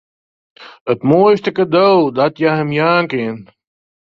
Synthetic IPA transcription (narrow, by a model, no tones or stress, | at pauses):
ətmoːjstəkədowdɔtjəɦəmjaːŋkɪən